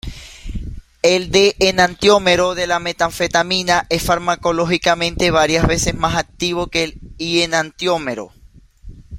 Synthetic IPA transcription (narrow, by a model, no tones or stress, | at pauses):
eld̪eʔːnant̪jo̞me̞ɾo̞ðe̞lame̞t̪aɱfe̞t̪amĩnaʔe̞sfaɾmako̞lo̞xikamẽnt̪e̞β̞aɾjazβe̞se̞smasak̚t̪iβ̞o̞kelienant̪jo̞meɾo̞̰